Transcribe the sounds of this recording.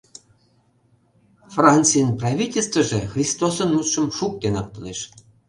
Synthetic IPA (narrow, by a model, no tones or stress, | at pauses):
frɑnʲt͡sɨjənprɑvʲitʲelʲst̪və̆ʒexrʲist̪osə̆nmut̪ʃə̆mʃuk̚t̪enɑp̚t̪ɤneʃ